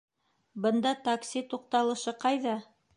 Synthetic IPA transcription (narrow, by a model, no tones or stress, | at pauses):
bɤ̆nd̪ɑt̪aksʲit̪uq̚t̪ɑlˠɤ̆ʃɤqɑjðɑ